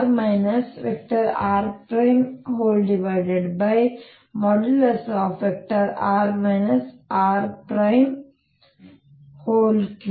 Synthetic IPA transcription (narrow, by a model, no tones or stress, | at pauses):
ɾmaɪnɐsʋek̚ʈɐɾaːɾpɾãɪmhoːlɖɪʋaɪɖeɖbaɪ | mɔɖəlɐsɔfʋɛk̚ʈɐɾaːɾmaɪnɐsaːɾpɾãɪm | hoːlk